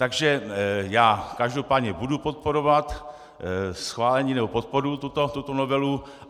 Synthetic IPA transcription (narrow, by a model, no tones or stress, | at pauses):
t̪aɡʒɛjaːkaʒdo̞paːd̪ɲɛbudupot̪̚po̞ɾo̞vat̪ | sxvaːlɛɲiːnɛbo̞po̞t̪̚po̞ɾut̪ut̪ot̪ut̪onovɛlu